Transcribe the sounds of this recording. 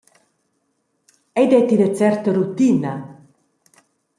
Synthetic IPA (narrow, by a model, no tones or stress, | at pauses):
ɛjd̪ɛt̪id̪ət͡sɛrt̪əɾut̪ina